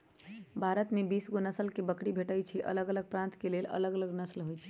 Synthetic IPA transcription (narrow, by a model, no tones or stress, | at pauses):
bʱaɾət̪mebisɡonəsəlkebəkɽibʱeʈəjt͡ʃʰiʔə̰ləɡələɡ̚pɾãnt̪kelelə̰ləɡələɡnəslɦojt͡ʃʰi̥